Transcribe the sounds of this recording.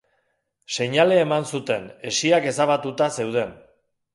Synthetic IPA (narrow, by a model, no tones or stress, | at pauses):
se̞ɲale̞ːmansut̪e̞ne̞siake̞saβ̞at̪ut̪ase̞wð̞e̞n